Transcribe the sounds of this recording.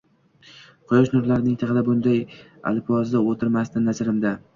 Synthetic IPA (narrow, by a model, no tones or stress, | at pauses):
qʰʊjɒʃnʊɾlaɾnɪŋt̪ʰɑʁɨd̪abʊnd̪aja̰lpɒzd̪ɪot̪ʰɪɾmast̪ɪnːazɾɪmd̪a